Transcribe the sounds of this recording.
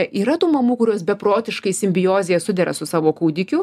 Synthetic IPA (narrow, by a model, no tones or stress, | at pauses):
ʔiːɾɐt̪uːmɐmuːkʊɾʲuːsbʲɛpɾoːt̪ʲɪʃkɐɪsʲɪmʲbʲɪjoːzʲɪjɛsʊd̪ʲɛɾɐ̰sʊsɑːʋoːkuːd̪ʲɪkʲʊ